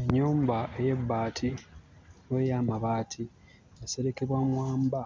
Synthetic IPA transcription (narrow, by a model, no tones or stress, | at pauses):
eɲːuːmbaeje̞bːaːtʰi | nweːjaːmaβaːtʰi | jase̞ɾe̞ke̞βwamwaːmba